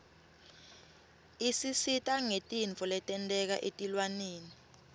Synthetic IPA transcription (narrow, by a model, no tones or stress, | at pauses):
isisitʼaŋetʼiɱʱɔlɛtʼɛntʼɛk̬a̰ʔetʼilwaneːni